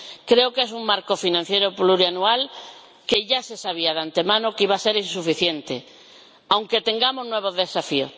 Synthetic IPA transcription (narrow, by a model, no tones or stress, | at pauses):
kɾeokesuŋmaɾkofinãn̟θjejɾopluɾianual | keʝasesaβ̞iaðant̪emãnokiβaseɾinsufiθjent̪e | awŋket̪ẽŋɡamoznweβ̞oðesafio̰